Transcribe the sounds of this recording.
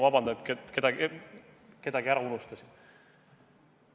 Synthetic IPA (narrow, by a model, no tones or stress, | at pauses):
vɑbɑnd̪ɑet̪keke̞d̪̥ɑɡ | ke̞d̪̥ɑɡiæɾɑunust̪ɑsʲi̥